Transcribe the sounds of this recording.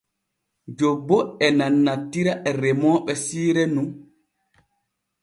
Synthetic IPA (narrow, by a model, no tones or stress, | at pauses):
d͡ʒobːɔɛnanːatːiɾaʔɛɾɛmɔːɓɛsiːɾɛnun